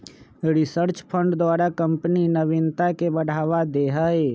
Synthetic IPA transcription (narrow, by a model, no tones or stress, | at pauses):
ɾɪsəɾt͡ʃpʰə̃ɳɖd̪waːɾakə̃mpninəʋɪnt̪akebəɽ̤ʱaːʋad̪eːɦəe